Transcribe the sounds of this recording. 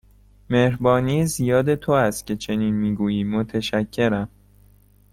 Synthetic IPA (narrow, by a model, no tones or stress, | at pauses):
mehɾbɒːniːzijɒːd̪e̞t̪ʰoæst̪̚cʲʰe̞t͡ʃʰe̞niːnmiːɡuːjiːmot̪ʰeʃæcʰːe̞ɾæm